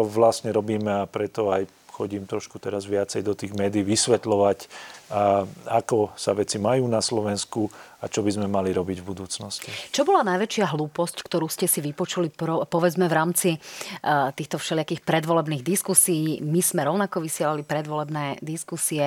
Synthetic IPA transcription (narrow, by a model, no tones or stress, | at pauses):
t͡ʃɔʋlasɲɛɾɔbiːmɛapɾɛt̪ɔaj | xɔɟiːmt̪ɾɔʃkut̪ɛɾazʋɪat͡sɛjd̪ɔt̪iːɣmɛːd̪iːʋisʋɛt̪lɔʋac | akɔsa̰ʋɛt͡simajuːnaslɔʋɛnskuat͡ʃɔbizmɛmaliɾɔbiɟvbud̪uːt͡snɔscit͡ʃɔbɔlanajʋɛt͡ʃɪaɦluːpɔsckt̪ɔɾuːscɛsiʋipɔt͡ʃuliɾɔpɔʋɛd͡zmɛʋɾaːmt͡si | t̪iːxt̪ɔfʃɛlɪakiːxpɾɛd̪ʋɔlɛbniːɣd̪iskusiːmiz̥mɛɾɔʊnakɔʋisɪɛlalipɾɛd̪ʋɔlɛbnɛːd̪iskusiɛ